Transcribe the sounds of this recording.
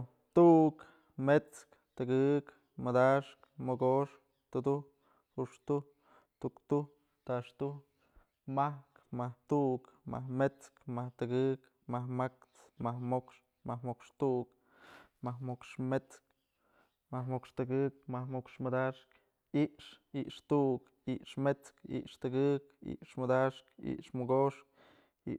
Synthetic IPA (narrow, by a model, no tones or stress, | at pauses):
t̪uʔk | met͡sk | t̪ɨɡɨk | mɨd̪aʂkmoɡoʂ | t̪ud̪uh | huʂt̪uh | t̪ukt̪uh | t̪aʂt̪uh | mahkmaht̪uʔkma̰hmet͡skmaht̪ɨɡɨk | mahmakt͡s | mahmokʂ | mahmokʂt̪uʔk | mahmokʂmet͡sk | mahmokʂt̪ɨɡɨk̚mamokʂmɨd̪aʂk | iʔʂiʔʂt̪uʔk | iʔʂmet͡skḭʔʂt̪ɨɡɨkḭʔʂmɨd̪aʂkḭʔʂmɨɡoʂk̚ | ḭ